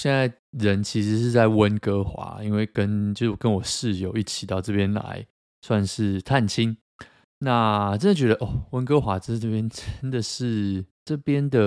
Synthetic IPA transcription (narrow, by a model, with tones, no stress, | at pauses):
ɕjɛ˥˧nt͡sa˥˩ɪ | ɻə˧˦nt͡ɕʰi˧˥ʂɻ̩˧˥ʂ̬ɻ̩˥˧t͡sa˥˩ɪwə˦nkɤ˦˥xwa̰˨˥˦i˦nwe˥˩ɪkə˦˥nt͡ɕjo˥˧ʊ˩kə˦nwɔ˨˩ʂɻ̩˥˩jo˧˥ʊi˥˩t͡ɕʰi˨˩t̪ɑ˥˧ʊʈ͡ʂɤ˥˩pjɛ˦nla̰˧˦ɪ | swa˥˧nʂɻ̩˥˩t̪ʰa˥˩nt͡ɕʰi˦˥n | na˥˨ʈ͡ʂə˥˦nd̪ə˩t͡ɕɥɛ˧˦˥d̪ə˨ʔɔ˥˩wə˦˥nkə˦xwa˧˥ʈ͡ʂə˥˩pjɛ˥nʈ͡ʂə˦˥nd̪ə˨ʂɻ̩˥˩ʈ͡ʂɤ˥˩pjɛ˥nd̪ə˨